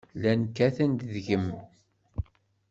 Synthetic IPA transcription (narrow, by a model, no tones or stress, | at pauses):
lænkːæθænd̪ðʝəm